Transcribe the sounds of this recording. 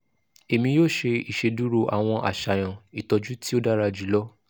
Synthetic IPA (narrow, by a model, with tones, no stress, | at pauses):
e˨mĩ˧joː˦˨ʃe˧i˨ʃe˧du˦ɾo˦˧ʔa̰˨w̃ɔ̃˧ʔa̰˨ʃa˨j̃ã˨i˨tɔ˧d͡ʒu˦ti˦o˦da˦ɾa˧d͡ʒu˨˦lɔ˦